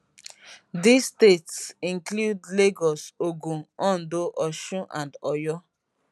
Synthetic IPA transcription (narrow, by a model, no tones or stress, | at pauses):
disːtetsĩnkludleɡɔsoɡũɔ̃ndoʔɔʃũʔãndɔjɔ